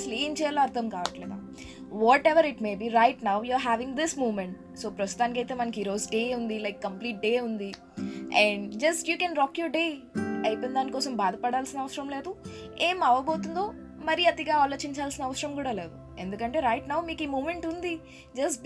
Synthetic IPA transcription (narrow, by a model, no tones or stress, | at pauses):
sliːmt͡ʃɛːjaːloːɐɾt̪ʰɐmkaːʋɐʈleːd̪a̰ː | ʋɔːʈeʋɐɾiʈmeːbiːɾɐjʈnawjuɾɦæːʋiŋɡd̪ismuːmeɳʈ | so̞ːpɾɐst̪u̥t̪aːnikɐjt̪eːmɐnɐkiɾo̞ːzɖe̞ːund̪ilɐjkːɐmpliːʈ̚ɖe̞ːund̪i | ɛ̃ɳɖd͡ʒɐsʈjuːkɛ̃ːnɾɔːkjoːɾɖeː | ɐjpɐind̪aːnikɔːsɐmbaːd̪ɐpɐɽaːlsinɐʋɐsɐɾɐmle̞ːd̪u | e̞ːmɐʋɐbo̞ːt̪und̪o̞ː | mɐɾiɐt̪iɡaːaːloːt͡ʃiɲt͡ʃaːlsinɐɐʋɐsɐɾɐmkuːɽaːle̞ːd̪u | e̞nd̪ukɐɳʈe̞ːɾɐjʈnaːwmiːkiːmuːmeɳʈund̪i | d͡ʒɐs